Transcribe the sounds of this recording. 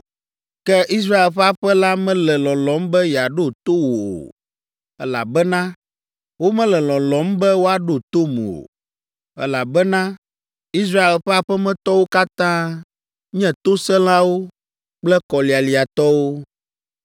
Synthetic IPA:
kɛ˦ʔi˦s̬ɾa˦e˨lɸɛ˦a˦ɸɛ˦la˦mɛ̃˦lɛ˨lɔ̃˨lɔ̃˨˦mbɛ˦ja˨ɖo˦˨t̪o˦wo˨o̰˨˦ | la˨bɛ˦nã˦ | wo˦mɛ̃˦lɛ˨lɔ̃˨lɔ̃˨˦mbɛ˦wo˦a˦ɖo˦˨t̪o˦m˨o̰˨ | ɛ˦la˨bɛ˦nã˦ | i˦s̬ɾa˦e˨lɸɛ˦a˨ɸɛ˦mɛ̃˦t̪ɔ˦wo˦ka˦t̪ã˦ | ɲɛ̃˦t̪o˦sɛ̃˦l̃ã˦wo˦ | k͡plɛ˦kɔ˨li˨a˨li˨a˨t̪ɔ˦wo˦

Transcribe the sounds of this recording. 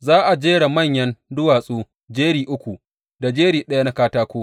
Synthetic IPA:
zaː˦ʔa˨d͡ʒeː˦ɽa˨mɐ˦˨ɲjɐ˦ndʊ˦waː˨sʼuː˦ | d͡ʒeː˦ɽiː˨ʔʊ˦kʷu˨ | da˨d͡ʒeː˦ɽiː˨ɗɐ˦ja˦na˦kaː˦taː˦kʷoː˦

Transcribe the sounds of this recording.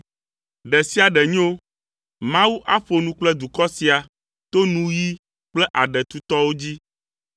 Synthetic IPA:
ɖɛ˨si˦a˨ɖɛ˨ɲ˦o˦ | mã˦wu˦ʔa˦ɸo˨nũ˦k͡plɛ˦d̪u˨kɔ˦si˨a˨ | t̪o˦nũ˦ji˦ | k͡plɛ˦ʔa˨ɖɛ˨t̪u˦t̪ɔ˦wo˦d͡ʑi˦

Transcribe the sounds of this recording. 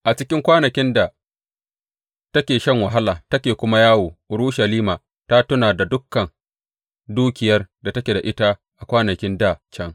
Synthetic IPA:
ʔa˨t͡ʃɪ˦kʲɪ˦ŋkʷaː˦nɐ˨kʲɪ˦nda˨ | tɐ˦kʲeː˨ʃɐ˦˨ŋwa˨ɦa˦laː˨tɐ˦kʲeː˨kʷʊ˦ma˦jaː˦woː˨ʔʊ˨ɾu˦ʃɐ˨liː˦maː˨ | ta˦tʊ˦naː˨da˨dʊ˦kːɐ˨n | duː˦kʲɪ˨jɐ˦rda˨tɐ˦kʲe˨da˨ʔɪ˦ta˦ | ʔa˨kʷaː˦nɐ˨kʲɪ˦nda˦˨t͡ʃɐ˦ŋ

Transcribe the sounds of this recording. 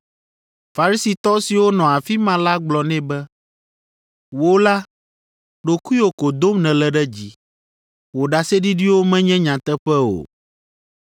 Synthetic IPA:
fa˨ɾi˦si˨t̪ɔ˦si˨wo˦nɔ̃˨a˨fi˦mã˦la˦ɡ͡blɔ˨nɛ̃˦bɛ˦ | wo˦la˦ | ɖo˨ku˦o˨ko˨d̪o˦mnɛ̃˨lɛ˦ɖɛ˦d͡ʑi˦ | wo˨ɖa˨sɛ˦ɖi˦ɖi˦wo˦mɛ̃˦ɲɛ̃˦ɲã˨t̪ɛ˦ɸɛ˦o̰˨

